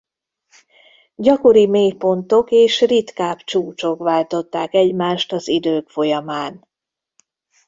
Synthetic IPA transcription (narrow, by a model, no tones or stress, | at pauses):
ɟɒko̞ɾimeːjpo̞nt̪o̞keːʃrit̪kaːpt͡ʃuːt͡ʃo̞kvaːlt̪o̞t̪ːaːkɛɟmaːʃt̪ɒzid̪øːkfo̞jɒmaːn